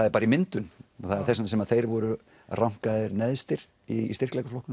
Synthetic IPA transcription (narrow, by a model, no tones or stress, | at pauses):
aðɛɾpaːɾaimɪnt̪ʏnɔθaɛɾ̥θɛsnasɛmaðθejɾvɔɾʏ | rawŋ̥kaðɪɾnɛðst̪ɪɾ | ist̪ɪr̥klɛjkaflowhknʏn